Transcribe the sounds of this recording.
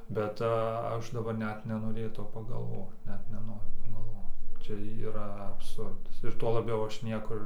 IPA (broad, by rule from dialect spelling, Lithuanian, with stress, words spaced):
bʲɛt ˈɐʃ dɐˈbɐr ˈnʲɛt nʲɛnoːˈrʲeːtɐʊ pɐɡɐlˠˈʋoːt ˈnʲɛt nʲɛˈnoːrʲʊ pɐɡɐlˠˈʋoːt ˈt͡ʃʲɛ iːˈrɐ ɐpˈsʊrdɐs ɪr tuɔ lˠɐˈbʲɛʊ ˈɐʃ ˈnʲiɛkʊr